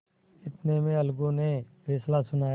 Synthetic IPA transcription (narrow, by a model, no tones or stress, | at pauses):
ɪt̪nemẽəlɡõnepʰɛːslasʊnaːj